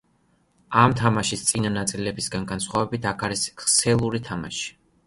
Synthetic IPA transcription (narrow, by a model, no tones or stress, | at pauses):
amt̪ʰamaʃist̪sʼinanat̪sʼilɛbisɡanɡansχwavɛbit̪ʰakʰaɾisχsɛlˠuɾit̪ʰama̰ʃi̥